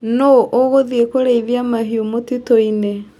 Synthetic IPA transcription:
noʔoɣoðiekoɾeiβjamaɦiomotitoine

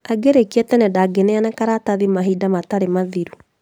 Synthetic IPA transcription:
aɡeɾekiɛtɛnɛdaɡenɛanɛkaɾataðimaɦiːdamataɾemaðiɾu

